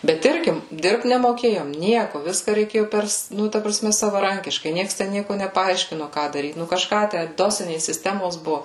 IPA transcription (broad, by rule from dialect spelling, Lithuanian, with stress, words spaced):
bʲɛt ˈɪrʲɡʲɪ ˈdʲɪrpt nʲɛmoːˈkʲeːjoːm ˈnʲiɛkʊ ˈʋʲɪskɐ rʲɛɪˈkʲeːjʊ ˈpʲɛrs ˈnʊ tɐ prɐˈsʲmʲɛ sɐʋɐˈrɐŋʲkʲɪʃkɐɪ ˈnʲiɛks tʲɛn ˈnʲiɛkʊ nʲɛpɐˈɐɪʃʲkʲɪnoː ˈkɑː dɐˈrʲiːt ˈnʊ kɐʃˈkɑː ˈtʲæ ˈdoːsʲɪnʲeːs sʲɪsʲˈtʲæːmoːs ˈbʊʋʊ